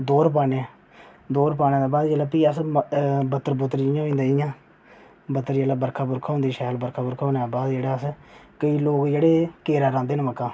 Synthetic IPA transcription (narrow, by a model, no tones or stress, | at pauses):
d̪oːɾp̬aːneɛ | d̪oːɾpaːnẽːd̪eːbaːd̪d͡ʒelaːpiːəs | bət̪ːəɾbʊt̪ːəɾɪjãːĩnd̪aːɪjãː | bət̪ːəɾd͡ʒeːlaːbəɾkʰaːbʊɾkʰaːɦõːnd̪iːʃɛːlbəɾkʰaːbʊɾkʰaːõːnaːbaːd̪d͡ʒeːɽaːəskəiːloːkd͡ʒeːɽeːkeːɾaːɾãːnd̪eːnːməkːãː